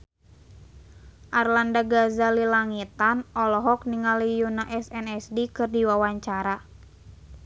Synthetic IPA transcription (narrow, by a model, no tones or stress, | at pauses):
ʔarlandaɡazalilaŋit̪anɔlɔɦɔk̚niŋalijunaʔɛsɛnɛsdikɨrdiwawaɲt͡ʃaɾa